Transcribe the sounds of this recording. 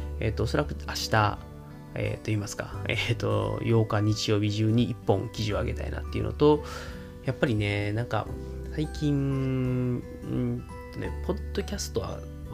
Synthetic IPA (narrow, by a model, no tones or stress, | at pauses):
e̞ːt̪ːoːso̞ɾakɯ̟aɕi̥t̪a | e̞̰ːt̪ːo̞iːmasɨ̥kaet̪o̞̰jo̞ːkaɲ̟it͡ɕijo̞ːbʲiʑɨːɲ̟iːpːõ̞ŋkʲiʑio̞aɡe̞t̪a̰ḭna̰t̪ːe̞iɯ̟̰no̰t̪o̞ | japːaɾʲine̞nãŋka̰saikʲĩŋ | t̪ːonḛpʰo̞d̪o̞kʲasɨ̥t̪o̞βa̰